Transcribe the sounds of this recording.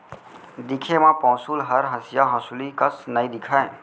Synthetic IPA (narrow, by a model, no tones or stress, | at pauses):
d̪ɪkʰemãːpɔ̃ːsuːlɦəɾɦəsɪjaɦə̃ːsulikəsnəĩd̪ɪkʰaːẽ